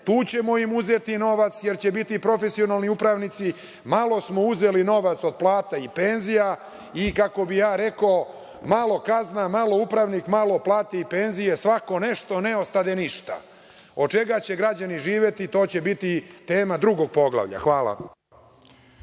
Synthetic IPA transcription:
t̪uːt͡ɕe̞moimuzet̪ino̞ʋat̪sje̞ɾt͡ɕebit̪ipɾo̞fesio̞nalˠniupɾaʋnit̪si | malo̞smo̞uze̞lino̞ʋat̪so̞d̪̚plˠaːt̪aipenzija | ikako̞bijaːɾe̞ko | malˠo̞kaznamalo̞upɾaʋnikmalo̞plˠaːt̪eipe̞nzije̞sʋako̞ne̞ʃt̪o̞neost̪ad̪eniʃt̪a̰ | o̞d̪̚t͡ʃe̞ɡat͡ɕe̞ɡɾad͡ʑaniʒiːʋje̞t̪it̪o̞ːt͡ɕe̞bit̪it̪e̞ːmad̪ɾuɡo̞ɡ̚po̞ɡlˠa̰ʋʎa̰xʋaːlˠa̰

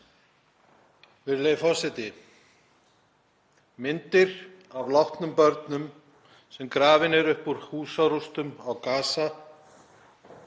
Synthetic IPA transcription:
vɪðlejfɔ̥sɪt̪ɪ | mɪnt̪ɪɾ | avlawht̪nʏmpœɾt̪nʏm | sɛmkɾaːvɪnɛɾʏhpuɾ̥huːsaɾust̪ʏmawkaːsa

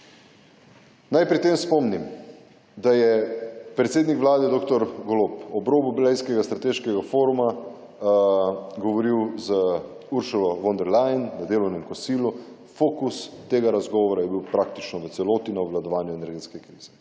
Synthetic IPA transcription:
najpɾit̪eːmspɔmnim | d̪ajɛpɾɛt̪seːd̪nikʋlaːd̪ɛd̪okt̪ɔɾɡɔloːpɔbɾoːbublɛjskɛɡast̪ɾat̪eːʃkɛɡafoːɾuma | ɡɔʋɔɾiwzə | uɾʃulɔʋɔnd̪ɛɾlajnːad̪eːlɔwnɛmkɔsiːlu | foːkust̪ːeːɡaɾazɡɔːʋɔɾajɛbiwpɾak̚t̪it͡ʃnɔʋət̪sɛloːt̪inɔʋlad̪ɔʋaːnjuɛnɛɾɡeːt̪skɛkɾiːz̥ɛ

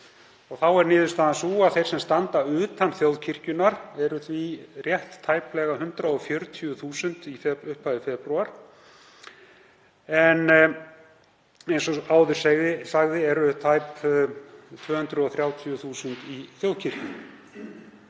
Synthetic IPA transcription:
ɔɣθawɛɾnɪːðʏst̪aːðansuːaðθejr̥sɛmst̪ant̪aʏːt̪anθjowðcʰir̥cʏnaɾɛɾʏθvirjɛht̪ʰːaːjplɛɣaɦʏnt̪ɾaɔfjœɾt̪ʰiʏθuːsʏnt̪ifɛʏhpʰaðɪfɛpɾuaɾ̥ | ɛn | ejnsɔaːwðʏɾ̥sɛɣðɪsaɣðɪɛɾʏt̪ʰajp | t̪ʰvœːhʏnt̪ɾʏɔθɾjaːwt̪ʰiʏθuːsʏnt̪iθjowðcʰir̥cʏ

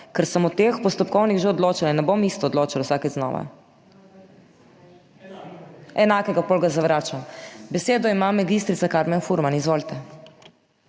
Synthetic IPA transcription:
kɛɾsəmɔt̪eːxpɔst̪ɔpkɔwniɣʒɛɔd̪loːt͡ʃalanɛbomist̪ɔːd̪loːt͡ʃalwsaːkɛznɔ̰ːʋa̰ | ɛnakɛɡapolɡazaʋɾaːt͡ʃambɛseːd̪ɔimamɛɡist̪ɾit̪sakaɾmɛnfuɾmanizʋoːlt̪ɛ

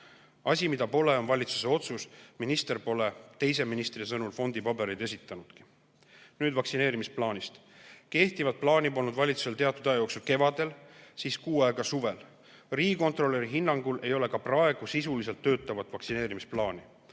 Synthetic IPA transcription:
ɑsʲimid̪̥ɑpo̞le̞o̞nvɑlʲit̪su̥s̬e̞o̞t̪susminist̪e̞rpo̞le̞t̪e̞js̬e̞minist̪ris̬ɤnulfo̞nd̪̥ipɑbe̞ɾid̪e̞s̬ʲit̪ːˑɑnud̪̥ki̥ | nyːd̪vɑksine̞ːɾimisplɑːnist̪ | ke̞ht̪ivɑt̪̚plɑːnipolnud̪vɑlʲit̪su̥se̞lt̪e̞ɑt̪ːˑud̪ɑjɑjo̞ːksulke̞vɑd̪̥e̞lsiːskuːɑeɡ̥ɑsuve̞l | riːko̞nt̪ro̞lːe̞ɾiɦinːɑŋɡ̥ulʔe̞jo̞le̞kɑprɑe̞ɡ̥usisulis̬e̞lt̪ːø̞ːt̪ːˑɑvɑt̪ːˑvɑksine̞ːɾimisplɑːni

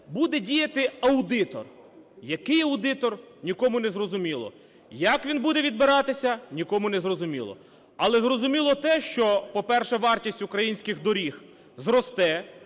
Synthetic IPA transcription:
bud̪ɛdʲijɐt̪ɪɐwd̪ɪt̪ɔ̰r | jɐkɪjɐwd̪ɪt̪ɔrnʲikɔmʊnɛzrɔzʊmʲilˠɔ̰ | jɐkʋʲinbud̪ɛʋʲid̪bɪɾɑt̪ɪsʲɐnʲikɔmʊnɛzrɔzʊmʲḭlˠɔ̰ | ɐlˠɛzrɔzʊmʲilˠɔt̪ɛʃt͡ʃɔpɔpɛrʃɛʋɑrtʲisʲtʲukɾɐjinʲsʲkɪxd̪ɔɾʲix | zrɔst̪ɛ

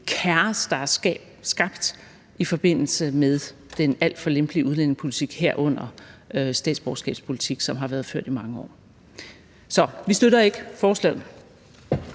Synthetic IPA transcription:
kʰæɐsd̥ɑ̈æɐ | sɡ̥ɑ̈b̥d̥ | ifɒ̽b̥e̝n̰l̩səmeðˠ | d̥enæl̰d̥fɒ̽lemb̥liuð̞ˠlen̰e̝ŋspʰo̝lit͡sʰiɡ̥heɐ̰ʔɔ̽n̰ɐøsd̥ɛ̰ːd̥sb̥ɒʊsɡ̥ɛ̰ːb̥spʰo̝lit͡sʰiɡ̥sɒ̽mɦɑ̈ʋæːɐð̞ˠfø̰ɐ̰d̥imɑ̈ŋəɒ̰ː | sɒ̽ʋisd̥øɾɐe̝ɡ̥əfɒːslɛ̰ːð̩

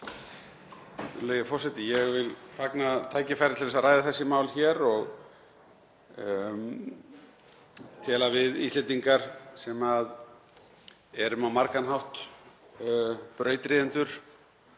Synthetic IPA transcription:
leːjfɔsɛt̪ɪjɛɣvɪlfaknat̪ʰaːjcɪfajɾɪt̪ʰɪlvɛsaðɾajðaθɛsːɪmawlçɛːɾɔɣ | t̪ʰɛːlavɪðḭst̪ɛnt̪iŋkaɾ̥sɛmað | ɛɾʏmawmaɾkanɦawht̪ | pɾœːɥt̪ɾiːðɪnt̪ʏɾ̥

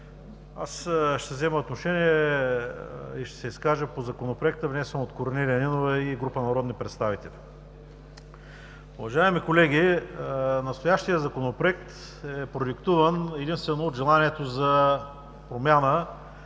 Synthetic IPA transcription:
a̰sʃt̪ɛvzɛməot̪noʃɛniɛ | iʃt̪ɛ̥sɛiskaʒəpozɐkonopɾoɛk̚t̪əvnɛjsəmot̪koɾnʲɛɾəninovɛiɡɾupənɐɾɔd̪nipɾɛt̪st̪avit̪ɛlʲi | ʊvɐʒaɛmikolɛɡ̟ʲi | nɐst̪ojaʃt̪ijəzɐkonopɾoɛk̚t̪ | ɛpɾoɛkt̪uvənɛd̪inst̪vɛnoːd̪ʒɛlˠaniɛt̪ozɐ | pɾomʲjanə

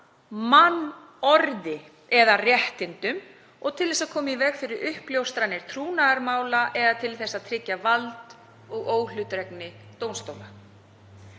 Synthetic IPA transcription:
manː | ɔɾðɪ | ɛðarjɛht̪ɪnt̪ʏm | ɔɣt̪ʰɪlðɛsaðkʰɔːmivɛkfɪɾɪɾʏhpljowst̪ɾanːɪɾ̥t̪ʰɾuːnaɣaɾmaːwlaʔɛðat̪ʰɪlθɛsːaðt̪ʰɾɪcːavalt̪ | ɔɣoːwlʏt̪ɾɛknɪ | t̪oːwnst̪oːwla

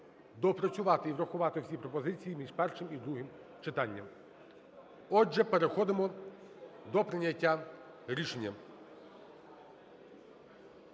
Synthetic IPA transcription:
d̪ɔpɾɔt͡sʲʊʋɑt̪ɪiwɾɐxʊʋɑt̪ɪwsʲipɾɔpɔzɪt͡sʲijimʲiʐpɛrʃɪmid̪ɾuɦɪm | t͡ʃɪt̪ɑnʲːɐm | ɔɛpeɾexɔd̪ɪmɔ | d̪ɔpɾɪnʲɐtʲːa | ɾʲiʃenʲːɐ

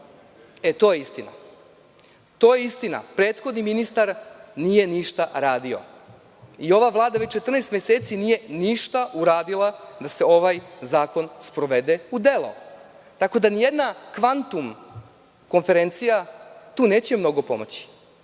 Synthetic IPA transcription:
et̪o̞ːjeist̪ina̰ | t̪o̞ːjeist̪ina̰pɾe̞ːt̪xo̞d̪niminist̪aɾnije̞niʃt̪aɾaːd̪io̞̰ | io̞ʋaʋlˠaːd̪aʋe̞t͡ɕt͡ʃe̞t̪r̩nejst̪mjese̞ːt̪sinije̞niʃt̪auɾaːd̪ilˠad̪ase̞o̞ʋajzaːko̞nspɾo̞ʋe̞d̪e̞ud̪e̞lo̞̰ | t̪ako̞d̪anijed̪nakʋant̪um | ko̞nfe̞ɾe̞nt̪sijat̪uːne̞ːt͡ɕemno̞ɡo̞po̞̰mo̞̰t͡ɕi̥

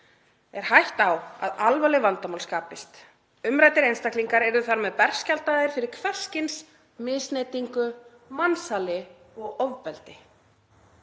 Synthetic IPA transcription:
ɛɾ̥hajht̪awa̰ðalvalɪvant̪amawlskaːpɪst̪ | ʏmɾajt̪ɪɾejnst̪akliŋkaɾɛɾðʏθaɾmɛðpɛr̥scalt̪aðɪɾ̥fɪɾɪɾ̥kʰvɛr̥scɪns | mɪðst̪nejt̪iŋkʏ | mansalɪ | ɔɣɔvpɛlt̪ɪ

